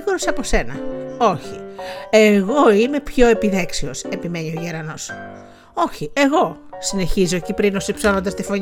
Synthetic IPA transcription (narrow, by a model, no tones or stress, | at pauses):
ɣoɾosɐpo̞se̞nɐ̰oçie̞ɣo̞ime̞pço̞e̞piðe̞ksio̞se̞pime̞nio̞ʝeɾɐno̞s | o̞çie̞ɣo̞sine̞çizoecipɾino̞sipsolo̞nd̪ɐst̪ifo̞ɲ